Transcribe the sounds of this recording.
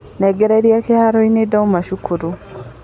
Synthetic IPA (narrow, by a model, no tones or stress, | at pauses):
neɡeɾeɾjakehaɾoinedaumaʃukʰuɾu